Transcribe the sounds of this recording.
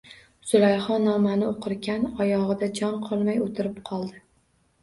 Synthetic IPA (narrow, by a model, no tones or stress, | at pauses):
sʊlˠajχɒnːɒmanɪoqʰɨɾɡʲanɒjɒʁɨd̪ad͡ʒɒnqʰɒlˠmajot̪ʰɪɾɪpqʰɒlˠd̪ɪ